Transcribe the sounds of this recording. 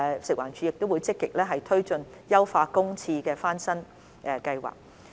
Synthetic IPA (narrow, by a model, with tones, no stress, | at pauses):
sɪ˨k̚waː˨˩t͡ʃʰy˨˧jɪ˨k̚t̪o˥wuː˨˧jt͡sɪ˥kːɪ˨k̚lɛː˥ɦɐ˨jt̪ʰɵ˥ɥt͡ʃɵ˨njɐ˥wfaː˧kʊ˥ŋt͡sʰiː˧kɛː˧faː˥nsɐ˥n | ʔɛ˨˧kɐ˧jwa̰ː˨˩k̚